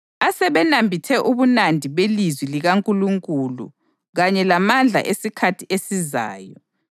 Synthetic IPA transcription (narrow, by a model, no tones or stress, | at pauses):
asɛβɛnambʱitʰɛʔuβunandʱiβelizwiliɣaŋkʼuluŋkʼulṵ | ɣaɲɛlamand͡ɮʱa̰ʔesikʰatʰiʔesiza̰ːjɔ